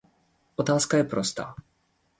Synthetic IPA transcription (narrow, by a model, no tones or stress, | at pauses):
ʔɔt̪aːskajɛpɾɔst̪a̰ː